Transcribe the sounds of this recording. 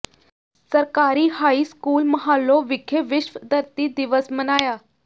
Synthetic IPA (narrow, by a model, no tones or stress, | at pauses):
səɾkaɾiːhaiːskuːlməɦalːoʋikʰeʋɪɕʋəd̪ʱəɾt̪iːd̪iʋəsmənajaː